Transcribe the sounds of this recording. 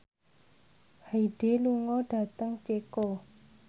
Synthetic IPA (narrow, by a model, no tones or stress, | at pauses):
haiɖ̥eluŋɔɖ̥ä̤t̪əŋt͡ʃekɔ